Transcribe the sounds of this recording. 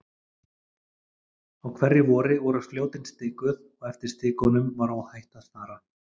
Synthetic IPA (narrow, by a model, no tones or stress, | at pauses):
awkʰvɛrːɪvɔːɾɪvɔɾʏ̥fljoːwt̪ɪnst̪ɪːkʏð | ɔɣɛft̪ɪɾ̥st̪ɪːkʏnʏmvaɾawhajht̪aðst̪aːɾa